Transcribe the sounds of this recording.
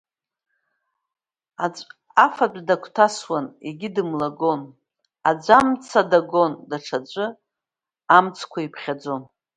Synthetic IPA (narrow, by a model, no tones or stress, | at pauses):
a | afat͡pʷʼdakʷʰtʰaswanḛɡʲɪdɨmlaɡo̞n | ad͡ʒʷamt͡sʰadaɡondaʈ͡ʂʰad͡ʒʷʼɨ | amt͡sʰkʷʰaipʰχʲad͡zo̞n